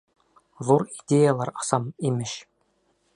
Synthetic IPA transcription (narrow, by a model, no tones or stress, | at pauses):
ðuɾid̪ʲejalˠɑɾɑ̥sɑmimʲɘɕ